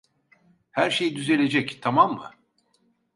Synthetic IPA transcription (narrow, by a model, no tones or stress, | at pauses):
hæɾʃe̞jid̪yze̞lʲe̞d͡ʒɛct̪ʰamamːɯ̰